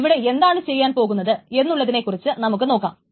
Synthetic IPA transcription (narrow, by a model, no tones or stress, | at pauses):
ʋiɽe̞e̞nd̪aːɳɨt͡ɕe̞jːaːnpo̞ːɣunːɐðɨe̞nːuɭːɐðine̞kːurit͡ɕːɨnɐmuk̬ːɨno̞ːkːa̰ːmm